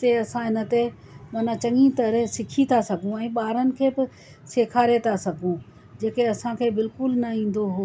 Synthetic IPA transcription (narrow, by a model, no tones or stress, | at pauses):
t̪eɐsãɦɪnə̆t̪e | mɐːnãt͡ɕɐ̃ŋĩt̪ɐɾsɪkʰit̪ʰasɐɡʱũɛ̃ːɓaːɾənɪ̆kʰeːbɪ | seːkʰaːɾet̪ʰasɐɡʱũ | d͡ʑeːkeɐsãkʰeːbɪlkʊlnɐĩːn̆d̪oɦoː